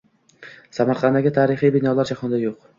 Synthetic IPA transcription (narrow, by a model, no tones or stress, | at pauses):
samaɾqʰɑnd̪aɡʲɪt̪ʰaɾɪχijbɪnɒlaɾd͡ʒahɒnd̪ajoq